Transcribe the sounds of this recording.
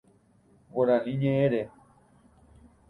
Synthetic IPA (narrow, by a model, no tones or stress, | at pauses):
βoɾanĩɲẽʔẽɾe